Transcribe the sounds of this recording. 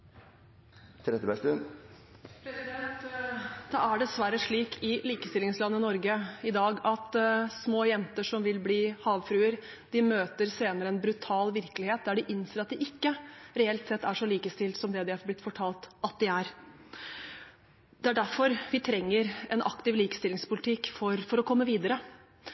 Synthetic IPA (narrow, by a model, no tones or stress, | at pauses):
t̪ʰɾɛt̪ːəbɛst̪ʉn | pʰɾɛsɪd̪ɛnt̪d̪̥ɑːæɖɛsʋæɾəʂɭiːkʰɪliːkəst̪ɪlɪŋslɑnːənɔɾɡəɪd̪ɑːɡɑt̪smoːjɛnt̪əʂɔmʋɪlbliːhɑːʋfɾʉːəɾ | d̪̥ɪmøːt̪əɾseːnəɾəɛnbɾʉt̪ʰɑːlʋɪɾkəlɪheːt̪̚d̪æɖɪʔɪnːseːɾɑt̪̚d̪ɪʔɪkːəɾɛɛlt̪sɛt̪ːæʂɔliːkəst̪ɪlt̪sɔmd̪ɛd̪ɪæɾblɪt̪ːfɔʈʰɑːlt̪ɑt̪̚d̪ɪæɾ | d̪̥ɛæɖæɾfɔɾʋɪt̪ʰɾɛŋːəɾɛnʔɑ̰kt̪ɪʋliːkə̥st̪ɪlɪŋspʊlɪt̪ʰɪkːfɔɾfɔɾɔkʰɔmːəʋiːd̪əɾə